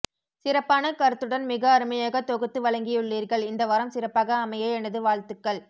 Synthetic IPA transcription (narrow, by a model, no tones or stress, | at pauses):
sɪɾɐpːaːnɐkɐɾɯt̪ːɯɽɐnmɪɣɐːɾɯmɐjaːɣɐt̪ːɔɣɯt̪ːɯʋɐɭɐŋɡɪjɯɭːiːɾɣɐɭɪnd̪ɐʋɐɾɐmsɪɾɐpːaːɣɐːmɐjɐɛnɐðɯʋaːɭt̪ɯkːɐɭ